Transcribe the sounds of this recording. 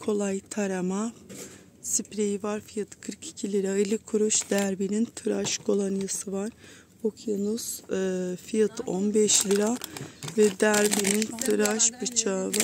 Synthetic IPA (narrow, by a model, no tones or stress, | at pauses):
kʰo̞lˠajt̪ʰaɾama | sipɾejivaɾfijat̪ʰɯ̥kʰɯɾkʰi̥cʰilʲiɾaelʲikʰuɾuʃd̪̥æɾbinint̪ʰɯɾaʃɡʰo̞lˠanjasɯvaɾ̥ | okʰjonuz̥ | fijat̪ʰo̰nbɛʃlʲiɾavɛd̪æɾbinint̪ʰɯɾaʃbɯt͡ʃʰava